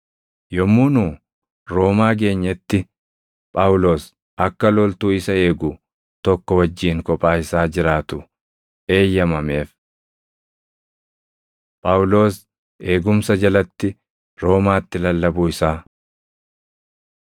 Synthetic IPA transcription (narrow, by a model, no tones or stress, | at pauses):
jɔmːuːnuː | ɾo̞ːmaːɡ̬e̞ːɲːɛt̪ːɪ | pʼɐʊlo̞ːs | ʔɐkːɐlɔlt̪uːɪsɐe̞ːɡu | t̪ɔkːɔwɐd͡ʒːiːŋkɔpʼaːɪsaːd͡ʒɪɾaːt̪ʊ | e̞ːjːɐmɐme̞ːf | pʼɐʊlo̞ːs | ʔe̞ːɡʊmsɐd͡ʒɐlɐt̪ːɪ | ɾo̞ːmaːt̪ːɪlɐlːɐbuːɪsaː